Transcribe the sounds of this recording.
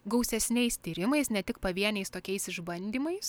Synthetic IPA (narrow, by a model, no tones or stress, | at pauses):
ɡɒʊsʲɛsʲnʲɛɪst̪ʲiːɾʲɪmɐɪsnʲɛt̪ʲɪkpɐʋʲiɛnʲɛɪst̪oːkʲɛɪsɪʒbɐnʲd̪ʲiːmɐɪs